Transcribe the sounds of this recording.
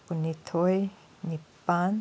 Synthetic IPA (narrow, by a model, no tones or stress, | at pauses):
punit̪ʰoj | nipan